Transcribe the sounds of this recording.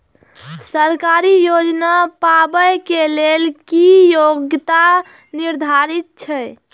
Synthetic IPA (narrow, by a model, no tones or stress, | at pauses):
səɾkaɾijod͡ʒnapabəjkelelkijoɡt̪a | niɾd̪ʱaɾit̪̚t͡ʃʰə